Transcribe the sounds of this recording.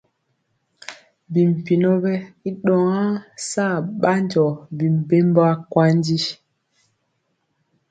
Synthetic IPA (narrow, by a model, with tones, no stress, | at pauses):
bi˨m˨pi˨nɔ˦bɛ˦i˦ɗɔ˨ŋã˦saː˦˨ɓa˦nd͡ʒɔ˨bi˨m˨be˦mbɔ˦a˦kwa˦ndi˦